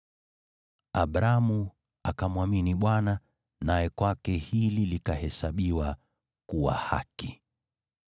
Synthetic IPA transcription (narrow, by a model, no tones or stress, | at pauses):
aɓɾamu | akamuwaminiɓwana | najɛkwakɛhililikahɛsaɓiwa | kuwa̰ha̰ki